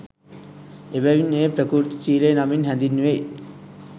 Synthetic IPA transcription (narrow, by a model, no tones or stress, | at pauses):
ebæʋinepɾəkuːɾt̪i̥t͡ʃiːlejnaminɦænd̪inːuʋe